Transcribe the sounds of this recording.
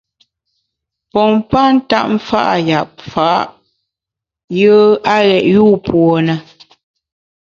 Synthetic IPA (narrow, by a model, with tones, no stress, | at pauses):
pɔ˨mpa˦n̩˦ta˦ʔ̚m̩˦fa̰˦ʔa˨ja˨p̚faː˨˦ʔ | jəː˦a˦ɣɛ˨ʔjuː˦˨pwɔ˨nə˨